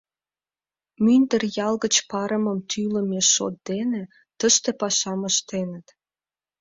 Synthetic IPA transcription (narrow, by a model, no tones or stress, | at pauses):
mynd̪ərjɑlɣət͡ɕpɑɾəməmt̪ʰylə̆meʃːo̰t̪̚d̪enĕ | t̪əʃt̪epɑʃɑməʃt̪enət̪